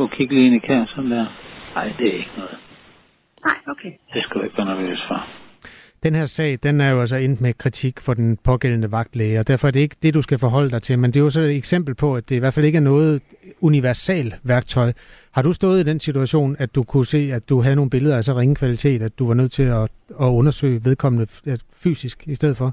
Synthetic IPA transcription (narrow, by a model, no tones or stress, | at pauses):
ɔkʰiɡ̥əlienikʰæɐsɒnd̥æɐ̰ɑɪ̰d̥e̝æɐe̝ɡ̥ənɔ̽ːð̩ˠ | aokʰed̥esɡ̥æ̥eɡ̥̚b̥ænəʋḛsfɑ̈ | d̥enheɐ̰sɛ̰ːɪd̥enæɐjo̝æls̬ɒ̽en̰d̥mekʰʁit͡sʰiɡ̥fɒ̽d̥enpʰɒ̽ɡ̥el̰n̩əʋɑ̈ɡ̥d̥leɪɒd̥æɐ̰fɒ̽æɐɾ̥e̝e̝ɡ̥ə̥d̥e̝d̥usɡ̥æfɒ̽ɦɒ̽l̰əd̥ɑ̈ɪt͡sʰe̝lmend̥e̝jos̬ɒ̽eeɡ̥sem̰b̥l̩pʰɒ̽æd̥e̝iʋæɐ̥fæle̝ɡ̥æɐnɔ̽ːð̞̩ˠ | uniʋæɐsɛ̰ːlʋæɐɡ̥̚t͡sʰɒ̽ɪ | hɑ̈ɾ̥usd̥ɔ̽ːð̞̩ˠid̥ensit͡sʰuæɕo̝̰ːnæ̥ukʰuse̝̰ːæd̥uɦæðˠno̝ːn̩be̝ləðˠɐæsɒʁeŋəkʰʋælit͡sʰe̝̰ːd̥æd̥d̥uʋɑ̈nøð̞̰ˠt͡sʰe̝ɒɒ̽ɔ̽nɐsø̰ːɪʋe̝ð̞ˠkʰɒ̽mnəfy̰ːsisɡ̥isd̥eð̰̩ˠfɒ̽